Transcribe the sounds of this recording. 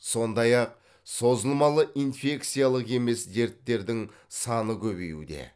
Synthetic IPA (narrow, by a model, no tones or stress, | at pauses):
so̞nd̪ɑjɑq̚ | so̞zəlˠmɑlˠəʔinfe̞k̚t̪sijalˠəqe̞me̞sd̪e̞ɾt̪ːe̞ɾd̪ɪŋ | sɑnəkʲʰɵβe̞̰jṵd̪e̞̰